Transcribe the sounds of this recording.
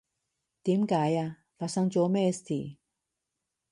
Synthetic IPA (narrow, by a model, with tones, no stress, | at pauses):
t̪i˨˦mkaː˨˦jaː˧ | faː˧˨sa˧ŋt͡ɕo˧˦me˧st̪ʰḭ˨˩